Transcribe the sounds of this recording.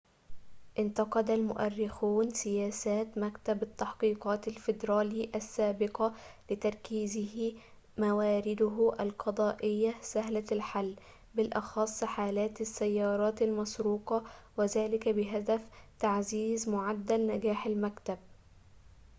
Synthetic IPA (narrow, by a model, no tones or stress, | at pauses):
ʔɪnt̪ɑqɑd̪almʊʔærːɪxuːnsɪjæːsæːt̪mækt̪abɪt̪ːɑħqiːqɑːt̪alfɪd̪ɾɑːliːʔæsːaːbɪqɑlɪt̪ɑɾˤkiːzɪhi | mæwaːɾɪd̪ʊɦʔælqɑd̪ˤɑːʔɪjːasæɦlælħalː | bɪlʔɑxɑsˤːħaːlæːt̪ɪsːæjːɑːɾˤɑːt̪almɑsɾuːqɑwɪðæːlɪkæbɪɦæd̪æft̪aʕziːzmʊʕad̪ːælnæɡaːħalmækt̪ab̚